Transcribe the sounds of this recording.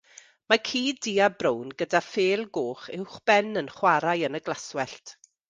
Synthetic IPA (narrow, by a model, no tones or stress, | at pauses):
makʰiːdiːabrownɡədafeːlˠɡoːχɪwχb̥ɛnənχwaɾajənəɡlˠaswɛɬtʰ